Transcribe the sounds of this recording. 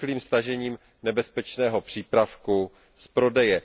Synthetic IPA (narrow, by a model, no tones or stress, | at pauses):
liːmst̪aʒɛɲiːm | nɛbɛspɛt͡ʃnɛːɦo̞pr̝̥iːpɾafku | spɾo̞dɛjɛ